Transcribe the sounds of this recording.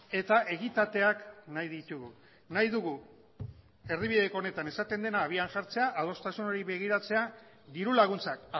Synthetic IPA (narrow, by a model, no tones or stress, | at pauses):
e̞t̪aʔe̞ɣit̪at̪e̞aknajðit̪uɣu | najðuɣu | e̞riβ̞iðe̞kone̞t̪ane̞sat̪e̞nd̪e̞naːβ̞iaŋʝaɾt͡se̞aʔað̞o̞st̪asuno̞ɾiβe̞ɣ̞iɾat͡se̞a | d̪iɾulaɣ̞unt͡sak